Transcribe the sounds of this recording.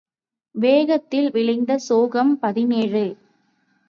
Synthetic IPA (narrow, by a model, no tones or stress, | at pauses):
ʋeːɣɐt̪ːɪlʋɪɻɪnd̪ɐsoːɣɐmpɐðɪneːrɯ